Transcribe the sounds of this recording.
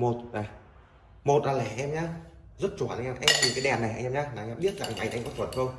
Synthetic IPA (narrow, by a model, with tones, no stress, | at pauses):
mo˨˩t̚na˨˩ | mo˨˩t̚laː˨˩lɛ˨˧˩ʔɛ˧mɲa˧ | zə˦˥t̚t͡ɕo˧˩˨a˧˩ŋʔɛ˧˩ʔɛ˧mt̪ʰi˨˩kaː˨˦ɗɛ˨˩nːa˨˩jʔŋʔɛ˧mɲaː˧laː˨˧ɛ˧˩ɓi˦˥ət̚za˨˧ŋʔa̰˨˧˩jʔa˧jŋ̟kɔ˨˦t̪wə˨˩nxʰo˧ŋ͡m